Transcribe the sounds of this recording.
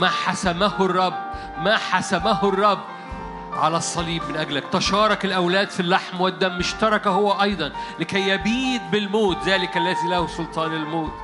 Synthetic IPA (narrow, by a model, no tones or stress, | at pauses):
mæħasæmæhrˤːɑbː | mæħasæmæhʊrˤːɑbː | ʕa̰læsˤːɑliːbmɪnʔæɡlækt̪æʃɑːɾˤɑkɪlʔæwlæːd̪filːaħmwɪd̪ːæmːʊʃt̪ɑɾˤɑkæhowːæʔɑjd̪ˤɑnlɪkæjːæbiːd̪̚bɪlmoːt̪zæːlɪkʔælːæːzilæhosolt̪ˤɑːnɪlmoːt̪